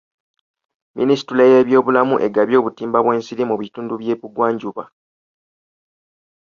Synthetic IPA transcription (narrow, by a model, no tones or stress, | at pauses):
mḭnisi̥tulajeβjo̞ːβulamuʔe̞ɡaβjo̞ːβutiːmbaβwe̞ːnsiɾimuβituːnduβje̞ːβuɡwaːɲɟuβa